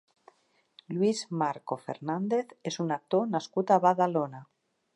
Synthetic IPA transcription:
lwizmaɾkofḛɾnand̪eθesunak̚t̪onaskut̪aβaðalona

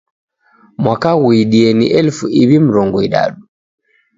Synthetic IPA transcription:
makawujɗienḭʔɛlfuibimɾɔŋɡɔjɗa̰ːɗu

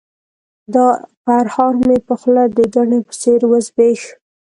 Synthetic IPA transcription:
d̪ɑpaɾhɑɾmepəxlad̪əd̪aɳepə̥seɾwəzbeʃ

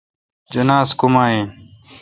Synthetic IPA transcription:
d͡ʒənaːskʊmaːẽː

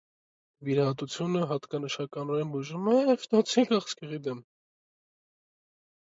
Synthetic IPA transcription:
viɾɑɦɑt̪ut͡sʰjunəɦɑt̪kɑnəʃɑkɑnɔɾɛnbuʒumɛjɛvt̪ɑt͡sʰikɑχskɛʁid̪ɛm

